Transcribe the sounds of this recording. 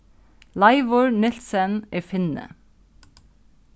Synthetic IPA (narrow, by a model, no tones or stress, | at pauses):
lɑɪʋoːɹnɪlsənʔeːfɪnə̰